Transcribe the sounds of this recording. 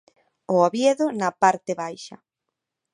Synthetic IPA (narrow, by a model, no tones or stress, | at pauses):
ʊoβjeðʊnɐpaɾt̪eβajʃɐ̰